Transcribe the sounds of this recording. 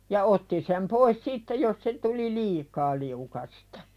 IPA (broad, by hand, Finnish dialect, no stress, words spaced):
jɑ otːi sem pois sitːe jos se tuli liːkɑː liukɑstɑ̥